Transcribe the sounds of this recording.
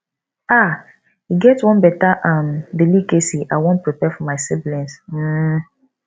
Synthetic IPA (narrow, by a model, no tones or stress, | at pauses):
a | hiɡɛtwɔ̃nbɛtaʔãmdilikesiʔaɪwɔ̃npɹipɛfɔmaɪsɛblɛ̃nsm̩